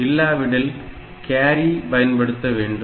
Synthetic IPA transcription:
ilːaːʋiɽil | kaːɾipɐjɐnpɐɽɯt̪ːɐʋeːɳɖu

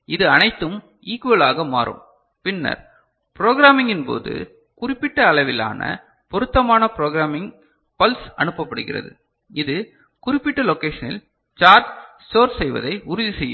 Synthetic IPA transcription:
ɪðɯɐnɐɪt̪ːɯm | iːkʋɐlaːɣɐma̰ːɾɯ̰m | pɪnːɐ̰ɾ | pɾoːɣɪɾaːmɪŋɡɪnpo̰ːðɯ̰ | kʊrɪpːɪʈːɐːɭɐɪʋɪla̰ːnɐ̰ | pɔɾɯt̪ːɐmaːnɐpɪɾoːɣɪɾaːmɪŋ | pɐlsɐnɯpːɐpːɐɽɯɣɪ̰rɐ̰ðɯ | ɪðɯ | kʊrɪpːɪʈːɐlɔkeːʂɐnɪ̰l | t͡ʃaːɾʈsʈoːɾɛjʋɐ̰ðɐɪʊɾʊðisɛjːɯ̰m

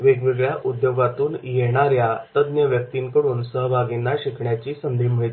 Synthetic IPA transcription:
ʋeɡʋeɡɭjaʔud̪joɡat̪uːnjeɽ̃aɾjat̪əd̪njəʋjək̚t̪iŋkəɽuːnsəɦbʱaɡinːaɕikʰɳjat͡ɕiːsənd̪ʱim̤ɭet̪

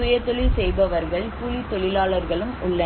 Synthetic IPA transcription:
ʊjɐt̪ːɔɭɪlsɛjbɐʋɐɾɣɐɭpuːlit̪ːɔɭɪlaːɭɐɾɣɐɭɯmʊɭːɐ

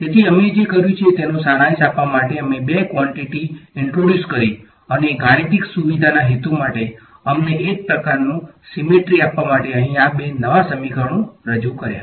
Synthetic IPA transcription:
t̪et̪ʰiəmed͡ʒekəɾjũt͡ʃʰiet̪enõsaɽ̃ãĩsapʋamaʈeəmebekʋɔɳʈiʈiɪɳʈɾoɖjuskəɾi | əneɡʱaɽ̃it̪iksuʋid̪ʱanaɦet̪umaʈe | əmneːk̚pɾəkaɾnũsimeʈɾiapʋamaʈeəɦĩabenəʋasəmikʰəɽ̃ũɾəd͡ʒukəɾja̰

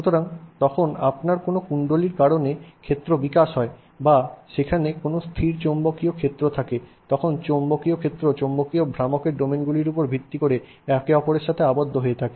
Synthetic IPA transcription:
ʃut̪oɾaŋt̪ɔkʰonapnaɾkonokuɳɖoliɾkaɾonekʰet̪ːɾobikaʃɦɔe | baʃekʰanekonost̪ʰiɾt͡ɕombokiokʰet̪ːɾot̪ʰaket̪ɔkʰont͡ɕombokiokʰet̪ːɾot͡ɕombokiobʱɾamokeɾɖomenɡuliɾupoɾbʱit̪ːikoɾe | ɛkeɔpoɾeɾʃat̪ʰeabod̪ʱːoɦoet̪ʰake

